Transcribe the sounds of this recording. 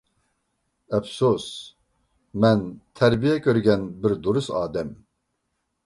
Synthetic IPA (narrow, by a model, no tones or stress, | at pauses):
ɛfsos | mɛnt̪ʰɛɾbijɛkʰøɾɡʲɛnbɨɾd̪uɾusaːd̪ɛm